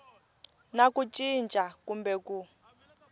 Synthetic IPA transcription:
nakut͡ʃʼint͡ʃʼakumbɛku

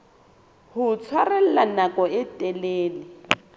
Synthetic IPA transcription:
hʊt͡sʰwarɛl̩lanakʼɔɪtʼɛleːlɪ

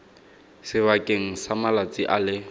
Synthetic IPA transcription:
sɪβakʼeŋ̩samalat͡sʼiʔalɪ

